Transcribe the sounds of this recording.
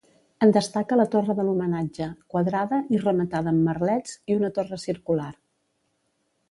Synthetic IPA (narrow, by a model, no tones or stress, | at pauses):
ənd̪əst̪akələt̪orəðəlumənad͡ʒəkwəðɾaðəʔirəmət̪aðəːmːərlɛd͡ziunət̪orəsiɾkular